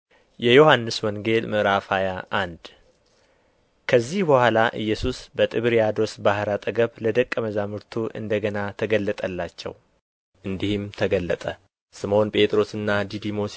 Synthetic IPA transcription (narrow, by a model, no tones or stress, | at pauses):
jʔɛjo̞hanːɨswɔŋɡe̞lmɨʔɾafajaʔand̪ | kʰəzːihbəhʷalaʔɨ̰jːɛsusbət̪ʼɨβɾijad̪o̞sbahɾat̪ʼəɡəβləd̪əkʼːəməzamɨɾt̪ʰuʔɨ̰nd̪əɡənat̪ʰəɡəlːət̪ʼəlːat͡ʃːɛ̰w | ʔɨnd̪ihɪmt̪ʰəɡəlːət̪ʼə | sɨmo̞npʼet̪ʼɾo̞sɨnːad̪id̪imo̞s